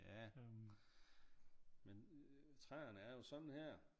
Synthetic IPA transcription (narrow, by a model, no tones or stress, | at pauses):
jæ | ment͡sʰʁaːɐnəæɐjo̝sɒ̽d̥n̩hæɐ̰